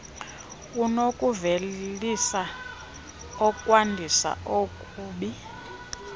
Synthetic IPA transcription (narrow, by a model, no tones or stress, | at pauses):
unokʼuvellisa | ɔkʼwandʱisa̰ʔokʼuːɓi